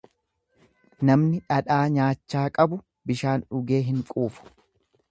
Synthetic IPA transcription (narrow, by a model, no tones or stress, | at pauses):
nɐmnɪᶑɐᶑaːɲaːt͡ʃːaːkʼɐbʊ | bɪʃaːnᶑʊɡe̞ːɦɪŋkʼuːfʊ̥